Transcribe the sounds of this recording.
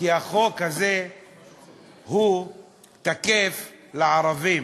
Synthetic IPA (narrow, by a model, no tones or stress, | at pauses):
kiaχokaze | hu | t̪akeflaaɾavim